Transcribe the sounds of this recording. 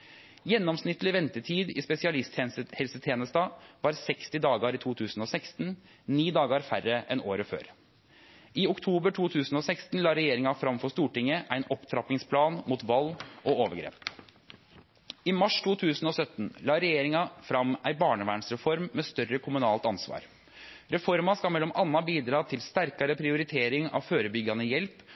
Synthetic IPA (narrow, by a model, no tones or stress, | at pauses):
jɛnːɔmsnɪt̪ːlɪʋɛnt̪əʈʰiːd̪ɪ̰ːspɛsɪɑlɪst̪hɛlsət̪ʰeːnəst̪ɑʋɑːɾsɛkst̪ɪd̪ɑːɡɑɾɪt̪ʰuːt̪ʰʉːsn̩ɔsæɪkst̪n | niːd̪ɑːɡəɾfærːəʔɛnoːɾəfø̰ːɾ | ɪʊkt̪ʰuːbəʈʰuːt̪ʰʉːsn̩ɔsæɪkst̪n̩lɑːɾɛjeːɾɪŋɑfɾɑmfɔʂt̪uːʈɪŋːəʔæɪnɔpt̪ʰɾɑp̪ɪŋspʰlɑːnmuːt̪ʋɑlːɔoːʋəɾɡɾḛːp | ɪmɑʂt̪ʰuːt̪ʰʉːsn̩ɔsœt̪nlɑːɾɛjeːɾɪŋɑfɾɑmæɪbɑːɳəʋæːɳsɾɛfɔɾmːeːst̪œɾəkʰʊmʉnɑːlt̪ɑnsʋɑ̰ːɾ | ɾɛfɔɾmɑskɑlmɛlːɔmʔɑnːɑbiːd̪ɾɑːt̪ʰɪlst̪æɾkɑɾəpʰɾɪʊɾɪt̪ʰeːɾɪŋɑ̰ːʋføːɾəbʏɡːɑnəjɛlp